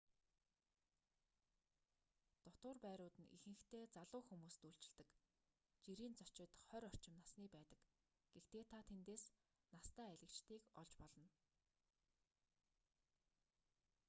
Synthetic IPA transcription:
t̪ɔt̪ʊːrpæːɾʊːt̪ɘ̆nḭxɘ̆xt̪eːt͡saɮʊːxumuːst̪uɬt͡ɕɪ̆ɮt̪ɘ̆k | t͡ɕiɾiːnt͡sɔ̥t͡ɕɪ̆t̪χœɾʲɔr̥t͡ɕɪ̆mnasniːpæːt̪ə̥̆k | ɡ̥ext̪eːt̪ʰat̪ʰent̪eːs | nast̪æːæɮɘ̆kt͡ɕt̪ʰiːkɔɮt͡ɕpɔɮɞ̆n

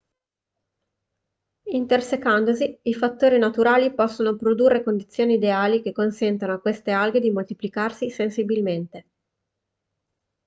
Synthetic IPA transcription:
int̪ersekand̪oziifat̪ːoːɾinat̪uɾaːlipɔsːonopɾod̪urːekond̪it̪sːjoːniːd̪eaːlikekːonsɛnt̪anoakːwest̪ealɡed̪imolt̪iplikarsisensibilment̪e

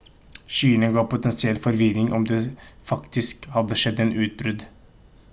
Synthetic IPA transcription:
ʃyːnəɡɑːpʊt̪ɛnsɪɛlfɔɾʋɪɾɪŋʔɔ̰md̪efɑkt̪ɪskhɑd̪ːəʂɛd̪ːɛːnʔʉːt̪̚bɾʉd̪

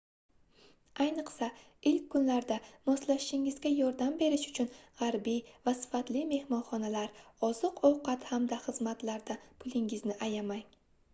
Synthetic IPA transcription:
ajnɨqsa | ɪlkʲʰːʊnlaɾd̪amɒslaʃʃɪŋɪzɡʲajɒɾd̪ambe̞ɾɪʃʊ̥t͡ʃʰʊnʁaɾbijvasɪ̥fat̪lɪme̞hmɒnχɒnalaɾɒzɨqɒwqɑt̪hamd̪aχɨzmat̪laɾd̪apʰʊlˠɪŋɪznɪʔajamaj

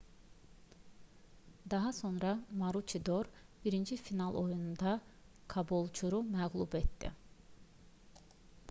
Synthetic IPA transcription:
d̪ɑɦɑso̞nɾɑmɑɾut͡ʃʰid̪o̞ɾb̥iɾind͡ʒifinɑlˠo̞junund̪ɑ | kʰɑbolˠt͡ʃʰuɾumæɣlˠubet̪d̪ḭ

